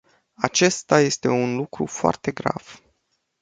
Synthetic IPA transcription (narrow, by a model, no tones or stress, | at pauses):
at͡ʃe̞st̪aje̞st̪e̞unlukɾṵfoa̰rt̪e̞ɡɾa̰v̥